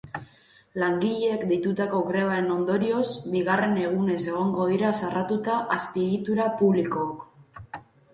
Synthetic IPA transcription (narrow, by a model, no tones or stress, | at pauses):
laŋɡiʎeːkd̪it̪ut̪ako̞ɣɾe̞βaɾe̞no̞nd̪o̞ɾio̞sbiɣ̞are̞ne̞ɣ̞une̞se̞ɣ̞o̞ŋɡo̞ð̞iɾasarʔat̪ut̪aʔaspieɣit̪uɾapuβliko̞ːk